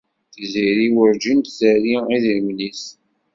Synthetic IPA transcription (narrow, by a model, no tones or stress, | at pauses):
θiziɾiwəɾd͡ʒint̪θəɾiiðiɾmlis